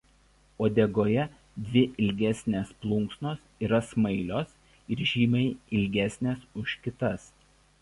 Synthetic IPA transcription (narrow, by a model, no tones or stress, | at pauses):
oːd̪ʲeɡoːjɛ | d̪ʲʋʲɪʔɪlʲɡʲæsʲnʲeːsplˠʊŋksnoːsiːɾɐsmɐɪlʲoːs | ɪɾʒʲiːmʲɛɪɪlʲɡʲæsʲnʲeːsʊʃʲkʲɪt̪ɐs